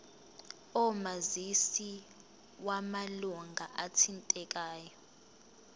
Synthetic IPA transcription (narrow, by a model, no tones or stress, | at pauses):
ɔmazisi | wamaluŋɡʱaʔatʰintʼɛk̬ʼaːjɔ